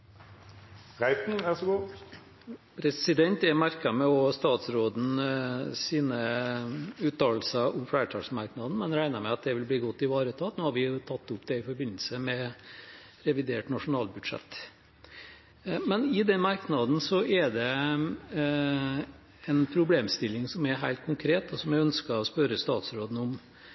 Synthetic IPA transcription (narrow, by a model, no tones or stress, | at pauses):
ʁæɪt̪n̩æsɔɡuː | pʰɾɛsɪd̪ɛnt̪ɛmæɾkɑmɛɔst̪ɑːt̪sɾoːd̪n̩siːnə | ʉːt̪ɑːlsəʔʊmflæːʈʰɑːsmɑɾknɑd̪n̩mɛnɾæɪnɑmɛɑt̪̚d̪ɛʋɪlbliːɡɔt̪ːɪʋɑːɾət̪ʰɑːt̪noːhɑɾʋɪt̪ʰɑt̪ːʊpd̪ɛɪfɔɾbɪnːl̩səmɛ | ɾɛʋɪd̪eːʈnɑʂʊnɑːlbʉd̪ʂɛ̰t̪ː | mɛnɪd̪ɛnmɑɾknɑd̪n̩sɔʔɛɖ̪ɛ | ɛnpʰɾʊbleːmst̪ɪlːɪŋsɔmɛɾɦæɪlt̪̚kʰʊŋkʰɾeːt̪ɔsɔmjæɪœnskəɔspœɾəst̪ɑːt̪sɾoːd̪n̩ʊm